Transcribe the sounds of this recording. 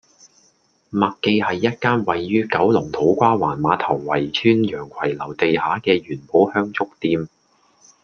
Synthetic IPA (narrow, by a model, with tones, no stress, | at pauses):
mɐ˨kkːe˧jhɐ˨jːɐ˥t̚kaː˥nwɐ˨jːyː˥kɐ˨˥wlʊ˨˩ŋt̪ʰo˨˥wkʷaː˥wa̰ː˨˩nmaː˨˥t̪ʰɐ˨˩wːɐ˨˩jt͡ʃʰyː˥njœː˨˩ŋkʷʰɐ˨˩jlɐ˨˩wt̪e˨jhaː˨˥kɛː˧ɥyː˨˩npo˨˥hœː˥ŋt͡sʰʊ˥k̚t̪iː˨˧m